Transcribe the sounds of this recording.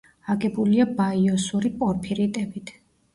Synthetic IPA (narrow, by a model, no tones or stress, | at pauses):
aɡɛbuliabaiɔsuɾipʼɔɾpʰiɾit̪ʼɛbit̪ʰ